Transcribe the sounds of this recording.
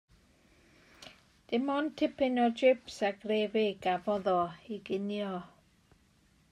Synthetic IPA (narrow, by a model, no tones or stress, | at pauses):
d̥ɪmɔntʰɪpʰɪnɔd͡ʒɪpsaɡrevɪɡavɔðɔiɡɪnjɔ